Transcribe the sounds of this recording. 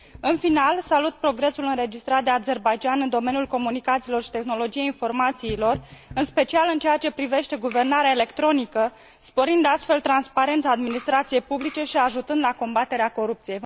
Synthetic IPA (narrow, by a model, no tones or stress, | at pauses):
ɨnfinalsalut̪̚pɾo̞ɡɾe̞sulɨnɾe̞d͡ʒist̪ɾat̪̚d̪eaze̞rbajd͡ʒianɨnd̪o̞me̞njulko̞munikat̪silo̞rʃi̥t̪exno̞lo̞d͡ʒijeinfo̞rmat̪siːlo̞rɨnspe̞t͡ʃialɨnt͡ʃejat͡ʃe̞pɾive̞ʃt̪e̞ɡuve̞rnaɾeaele̞kt̪ɾo̞nikə | spo̞ɾind̪east̪fe̞lt̪ɾanspaɾe̞nt̪saːd̪minist̪ɾat̪sije̞jpublit͡ʃe̞ʃiaʒut̪ɨnd̪lako̞mbat̪e̞ɾeako̞ɾup̚t̪sije̞j